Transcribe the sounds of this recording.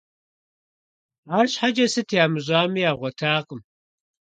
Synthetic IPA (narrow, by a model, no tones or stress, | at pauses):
aːrɕħad͡ʒɐsɨtʰjaːmɨʑʷʼaːmijaːʁʷɔtʰaːqʼəm